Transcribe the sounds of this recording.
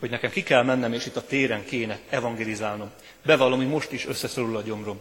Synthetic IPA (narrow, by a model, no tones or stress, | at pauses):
hoɟnɛkɛmkikɛlmɛnːɛmeːʃit̪ːɒt̪eːɾɛŋkeːnɛɛvɒŋɡeːlizaːlno̞m | bɛvɒlomimo̞ʃt̪iʃø̞sːɛsolulɒɟo̞mro̞m